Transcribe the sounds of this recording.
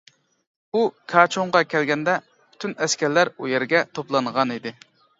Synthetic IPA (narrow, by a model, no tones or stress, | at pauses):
ukʰɑt͡ʃʰoɴʁɑkʲʰɛlɡʲɛnd̪ɛ | pʰy̥t̪ʰynɛskʲɛɾlæɾujɛɾɡʲɛt̪ʰoplˠɑnʁɑnid̪ɪ